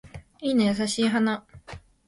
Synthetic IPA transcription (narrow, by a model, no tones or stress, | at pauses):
ines̬aɕiɦana